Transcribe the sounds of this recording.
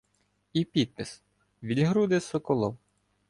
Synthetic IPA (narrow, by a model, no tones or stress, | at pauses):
ipʲid̪̚pɪs | ʋʲilʲɦɾud̪esɔkɔlˠɔw